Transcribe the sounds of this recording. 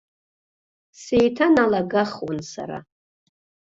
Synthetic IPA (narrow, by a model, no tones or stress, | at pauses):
sejtʰanalaɡaχwansa̰ɾa̰